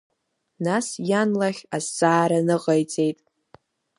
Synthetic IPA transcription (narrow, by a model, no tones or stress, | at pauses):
nasjanlaχʲazt͡sʼaːɾanɨqʼajt͡sʼe̞jtʼ